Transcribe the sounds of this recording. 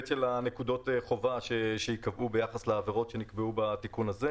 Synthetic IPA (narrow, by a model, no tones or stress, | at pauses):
tʃelanekud̪o̞teχo̞vaʃeʃejikavʔube̞jaχasleːveʁo̞tʃe̞nikbeubat̪ikunaze